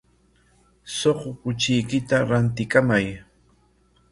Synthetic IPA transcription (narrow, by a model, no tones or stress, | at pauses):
soχʊpʊt͡ʃɪjkɪt̪aɾant̪ɪkamaj